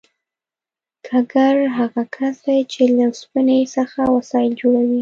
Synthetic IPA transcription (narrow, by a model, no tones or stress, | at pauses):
kʰaɡaɾɦaɣakʰasd̪ajt͡ʃelaspinesəxawasɑjɪld͡ʒoɽawi